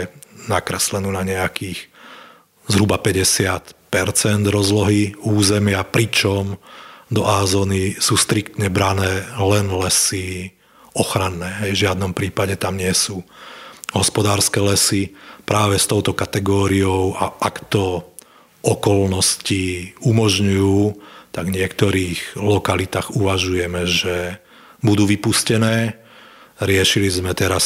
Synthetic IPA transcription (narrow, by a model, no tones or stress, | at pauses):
nakɾɛslɛnuːnaɲɛakiːx | zɦɾubapɛɟɛsɪat̪pɛɾt͡sɛnd̪ɾɔzlɔɦiuːzɛmɪapɾit͡ʃɔmd̪ɔʔaːzɔːnisuːst̪ɾikt̪ɲɛbɾanɛːlɛnlɛsi | ɔxɾanːɛːɦɛjvʒɪad̪nɔmpɾiːpaɟɛt̪amɲɪɛsuː | ɦɔspɔd̪aːɾskɛlɛsipɾaːʋɛst̪ɔʊt̪ɔkat̪ɛɡɔːɾiɔʊaʔakt̪ɔ | ɔkɔlnɔsciumɔʒɲujuːt̪aɡvɲɪɛkt̪ɔɾiːɣlɔkalit̪aːɣuʋaʒujɛmɛʒɛ | bud̪uːʋipuscɛnɛː | ɾɪɛʃilizmɛt̪ɛɾas